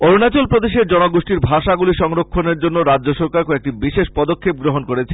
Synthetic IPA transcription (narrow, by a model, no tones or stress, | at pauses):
oɾnat͡ɕolpɾod̪eʃeɾd͡ʑɔnoɡoʃʈiɾbʱaʃaɡuliʃɔŋɾokʰːoneɾd͡ʑonːoɾadd͡ʑoʃɔɾkaɾkɔek̚ʈibiʃeʃpɔd̪okʰːep̚ɡɾoɦonkoɾet͡ɕʰe